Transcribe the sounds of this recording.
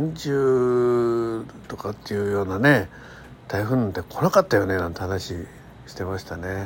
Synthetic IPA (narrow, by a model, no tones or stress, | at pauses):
ãɲd͡ʑɨː | t̪o̞kat̪ːejɯ̟ːjo̞ːnane̞ | t̪aiɸɯ̟̃nːãnt̪ːekʰo̞nakat̪ːajo̞ne̞nãnt̪ehanaɕi | ɕi̥t̪e̞maɕi̥t̪ane̞